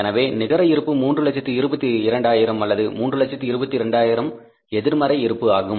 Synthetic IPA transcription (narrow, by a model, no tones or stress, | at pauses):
ɛnɐʋeːnɪɣɐɾɐɪɾɯpːɯmuːndrɯlɐt͡ʃːɐt̪ːiɪɾɯbɐt̪ːiɪɾɐɳɖaːjɪɾɐmɐlːɐðɯmuːndrɯlɐt͡ʃːɐt̪ːiɪɾɯbɐt̪ːiɪɾɛɳɖaːjɪɾɐm | ɛðɪɾmɐɾɐɪɪɾɯpːɯaːɣɯ